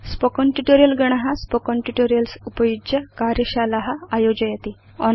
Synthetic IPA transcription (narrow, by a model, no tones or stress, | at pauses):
spɔkɔɳʈuʈoɾijəlɡəɳ̃aɦaspɔkɔɳʈuʈoɾijəlsupəjudəkaɾjəɕalaɦaːjod͡ʑəjat̪i | ɔn